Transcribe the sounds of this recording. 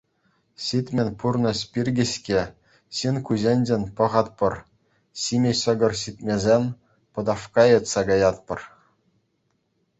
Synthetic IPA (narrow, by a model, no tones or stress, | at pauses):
ɕit̪ʲmʲenʲpurnɤ̆sʲpʲirʲɡʲɘ̆ɕkʲe | ɕinʲkuʑʲenʲd͡ʑenʲpɤ̆ʁɑt̪̚pɤ̆r | ɕimʲeɕɤ̆ɡɤ̆rɕit̪ʲmʲezʲenʲ | pɤ̆d̪ɑfkɑɤ̆t̪sɑɡɑjɑt̪̚pɤ̆r